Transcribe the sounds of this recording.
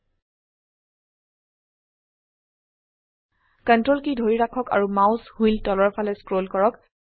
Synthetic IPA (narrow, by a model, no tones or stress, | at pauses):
kəntɹolkidʱoɹiɹakʰɔka̰ɹumaʊshuiltɔlɔɹpʰalɛskɹolkɔɹɔk